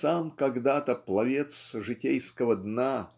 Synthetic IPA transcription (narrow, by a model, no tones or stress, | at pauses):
samkɐɡd̪at̪əplˠɐvʲet̪sʐɨtʲejskəvəd̪na